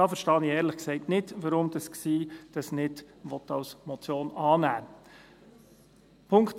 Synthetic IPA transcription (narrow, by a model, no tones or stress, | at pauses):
ɑːfəɾʃtɑːniɛːɾləχksɛɪtnɪdʋɑɾʊmd̥ɑsksiːd̥ɑsnɪd | ʋɔt̪ɑlsmɔt͡sjoːnɑːnæː | pʰʊŋkt